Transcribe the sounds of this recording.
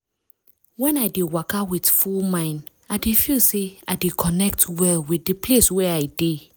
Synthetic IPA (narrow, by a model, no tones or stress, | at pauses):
wɛ̃naɪdewakawidfulmãɪ̃n | aɪdefilseaɪdekʰɔnɛk̚twɛlwidipleswɛaɪde